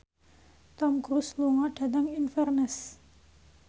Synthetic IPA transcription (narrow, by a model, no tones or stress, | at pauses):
t̪ɔmkɾusluŋɔɖ̥a̤t̪aŋinfɛrnəs